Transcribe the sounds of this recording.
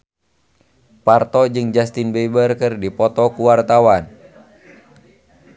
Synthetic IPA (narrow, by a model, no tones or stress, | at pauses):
part̪ɔd͡ʒɨŋd͡ʒast̪inbɛbərkɨrdipɔt̪ɔkuwart̪awan